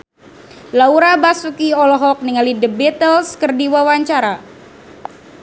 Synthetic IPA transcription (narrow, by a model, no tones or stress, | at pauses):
lauɾabasukiɔlɔɦɔk̚niŋalidəbɛt̪əlskərdiwawaɲt͡ʃaɾa